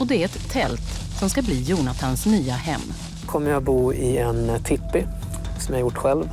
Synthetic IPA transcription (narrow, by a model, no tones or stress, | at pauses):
ɔd̪ɛæɾɛt̪ʰːɛlt̪sɔmskabliːjuːnat̪ʰansnyːahɛ̰mː | kʰɔmːəɾjabuːɪɛnt̪ʰɪpːɪ | sɔmjhaɾjʊʈːɧɛlv